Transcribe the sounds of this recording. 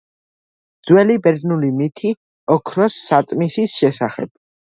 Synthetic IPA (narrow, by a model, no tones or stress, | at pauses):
d̪z̥wɛlibɛɾd̪nulimit̪ʰi | ɔkʰɾɔsːat̪sʼmisisʃɛsaχɛ̰b̥̚